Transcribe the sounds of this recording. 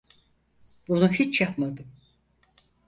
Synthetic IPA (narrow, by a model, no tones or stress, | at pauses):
b̥unuhit͡ʃjapmad̪ɯm